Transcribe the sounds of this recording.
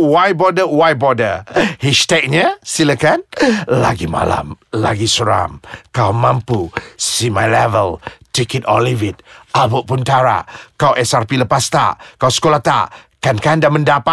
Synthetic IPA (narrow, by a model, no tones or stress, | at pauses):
wajbɔdəwajbɔdəhɛʃtɛk̚ɲasiləkanla̰ɡima̰la̰mlaɡisəɾa̰mkawmãmpusimajlɛvəltikitɔlivit̪̚abuʔpunt̪aɾa̰kawʔɛsarpiləpast̪a̰kawsə̥kolat̪a̰ | kankandaməndapa